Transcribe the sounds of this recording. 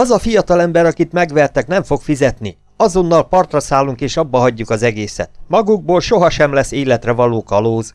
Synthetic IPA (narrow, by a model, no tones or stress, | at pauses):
ɒzɒfijɒt̪ɒlɛmbɛɾɒkit̪mɛɡʋɛrt̪ɛkn̪ɛɱfo̞kfizɛt̪ni | ɒzo̞nːɒlpɒrt̪rɒsaːluŋkeːʃɒbːɒɦɒɟːukɒzɛɡeːsɛ̰t̪mɒɡuɡ̚boːlʃo̞ɦɒʃɛmlɛsːeːlɛt̪rɛvɒloːkɒloːz